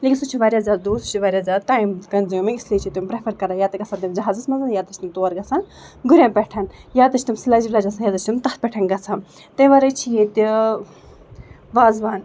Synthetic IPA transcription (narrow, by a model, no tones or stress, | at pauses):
lekinsut͡ʃʰiʋaːɾʲjaːzaːdd̪uːsu̥t͡ʃʰiʋaːɾʲjaːzaːt̪aːimkɐnzimɐislet͡ʃʰit̪umpɾepʰɐɾkɐɾajaːt̪ɨɡɐt͡sʰaːnt̪imd͡ʒɐɦaːzɨsmɐnzɐnjaːt̪ɐt͡ʃʲt̪imt̪oɐɾɡɐt͡sʰaːn | ɡuɾʲjãnpɛʈʰɐnjaːt̪ɐt͡ʃʰt̪imsilaːd͡ʒiʋlaːd͡ʒɐt͡sʰajaːt̪ɐt͡ʃʰt̪imt̪ɐt̪̚pʲɛʈʰɐnɡɐt͡sʰam | t̪ɐ̃ʋaɾɐt͡ʃʰijet̪i | ʋaːzʋaːn